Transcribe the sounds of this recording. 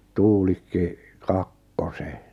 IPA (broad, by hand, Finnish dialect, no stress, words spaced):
tuːlikːi kɑkːose